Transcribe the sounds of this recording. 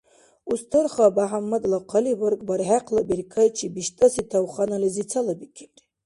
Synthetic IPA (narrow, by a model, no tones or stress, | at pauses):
ustʰɨrχabaħamːad̪laqʰaliwɨrkʼbaɾʕaqʰʼlabirkʰajt͡ʃʰibiʃtʼasitʰawχanalizit͡sʰalabikʲʰirtʼ